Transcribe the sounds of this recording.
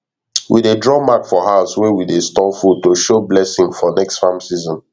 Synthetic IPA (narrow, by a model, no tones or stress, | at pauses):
wḭdedɹɔmakfɔɦaʊswɛwidestɔfutoʃoblɛsɪ̃ŋfɔnɛkstfãmsizɔ̃n